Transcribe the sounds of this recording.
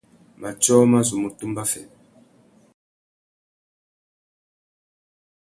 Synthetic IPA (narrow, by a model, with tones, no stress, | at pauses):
ma˨t͡ʃɔ˦ma˦zu˨mu˨tu˦mba˦fɛ̰˨